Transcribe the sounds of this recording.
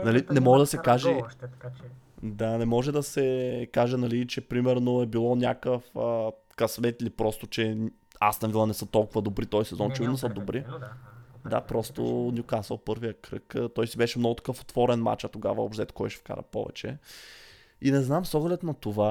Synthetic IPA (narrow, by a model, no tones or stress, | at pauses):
nɐlinɛmɔʒɛd̪ɐsɛkaʒɛ | d̪anɛmɔʒɛd̪ɐsɛkaʒɛnɐlit͡ʃɛpɾimɛɾnoɛbilˠɔnʲja̰kəfə | kɐsmɛt̪ilipɾɔst̪ot͡ʃɛ | a̰st̪ɐvilˠɐnɛsət̪ɔlˠkʊvɐd̪obɾit̪ɔjsɛzɔnt͡ʃɛvid̪nsəd̪obɾʔi | d̪a̰pɾɔst̪o̰niʊkazvɐlˠpɤɾvijəkɾɤ̰kt̪ɔjsibɛʃɛmnɔɡʊt̪ɐ̥kɤfo̥t̪vɔɾɛnma̰t͡ʃət̪oɡa̰vɐo̰pʃt̪ɛt̪kɔjʃɛ̥fka̰ɾə̰pɔ̰vɛ̰t͡ʃɛ̰ | inɛznamsɔɡlɛt̪nɐt̪ova